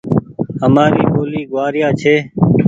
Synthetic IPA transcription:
ɦəmaːɾiːʔoːliːɡʊwaːɾɪjaːt͡ʃʰeː

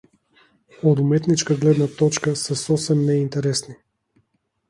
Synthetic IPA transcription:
od̪umɛt̪nit͡ʃkaɡlɛd̪nat̪ɔt͡ʃkasɛsɔsɛmnɛint̪ɛɾɛsni

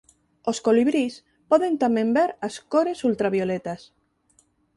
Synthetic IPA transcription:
oskoliβɾis | pɔðent̪amẽmbeɾaskoɾesult̪ɾaβjolet̪as

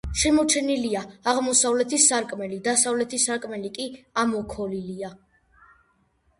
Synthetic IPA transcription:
ʃɛmɔt͡ʃʰɛniliaːʁmɔsavlɛt̪ʰisaɾkʼmɛlid̪asavlɛt̪ʰisaɾkʼmɛlikʼiamɔkʰɔlilia

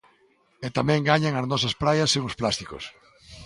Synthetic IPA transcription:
ɛt̪amɛ̃ŋɡaɲaŋɐznɔs̬ɐspɾajɐseŋʊsplast̪iko̰s

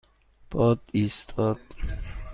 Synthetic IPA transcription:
b̥ɔd̪ist̪ʰɔd̪̥̚

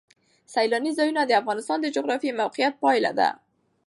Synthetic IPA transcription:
sajlɑnizɑjunad̪əafɣɑnɪst̪ɑnd̪əd͡ʒʊɣɾɑfimawqɪjat̪̚pɑjla̰d̪a̰

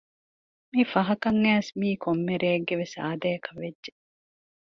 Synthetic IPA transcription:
mifɐɦɐkɐŋːæːsmiːkomːeɾeːɡːeʋesa̰ːd̪ɐɐkɐʋeʒe

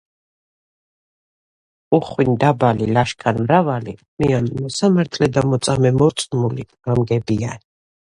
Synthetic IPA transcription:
uχwind̪abalilaʃkʰanmɾavalḭ | mianmɔsamaɾt̪ʰlɛd̪amɔt̪sʼamɛmɔɾt̪sʼmuliɡ̥amɡɛbian

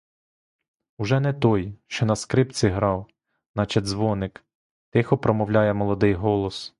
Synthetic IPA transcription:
uʒɛnɛt̪ɔjʃt͡ʃɔnɐskɾɪpt͡sʲiɦɾɑw | nɑt͡ʃɐd̪ʲzʋɔnɪk | t̪ɪxɔpɾɔmɔwlʲɑjɛmɔlˠɔd̪ɪjɦɔlˠɔs

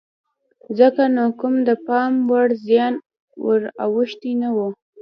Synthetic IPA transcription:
zəkanokʊmd̪əpɑmwaɽzjɑn | wə̰ɾawəʃt̪inawu

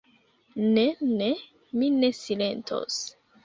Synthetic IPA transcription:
nene | mine̞sile̞ntʰo̰s

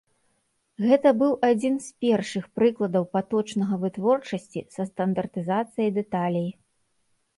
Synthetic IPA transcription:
ɣɛt̪ɐbɨwʔad͡zʲinspʲɛrʂɨxpɾɨklˠɐd̪ɐwpat̪ɔt͡ʂnɐɣɐvɨt̪vɔrt͡ʂɐsʲt͡sʲḭsɐst̪ɐnd̪ɐrt̪ɨzat̪sɨjɐjd̪ɛt̪alʲij

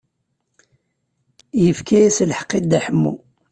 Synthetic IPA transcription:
jəfkʰæjæslħə̥qːid̪æħəmːṵ

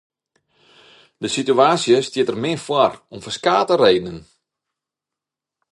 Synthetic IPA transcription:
dəsityaːsjəstjɪətərmɪəfwɔrɔmfəskaːtəreːdnən

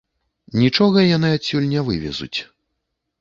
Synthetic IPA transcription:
nʲit͡ʂɔɣɐjanɨasʲulʲnʲɛvɨvʲɛ̰zṵt͡sʲ

